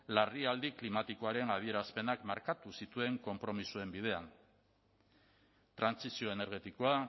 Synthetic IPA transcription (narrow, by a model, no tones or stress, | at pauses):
lariald̪iklimat̪iko̞aɾe̞nað̞ie̞ɾaspe̞nakmaɾkat̪usit̪ue̞ŋko̞mpɾo̞misue̞mbið̞e̞an | t̪ɾansisio̞e̞ne̞ɾɣ̞e̞t̪iko̞a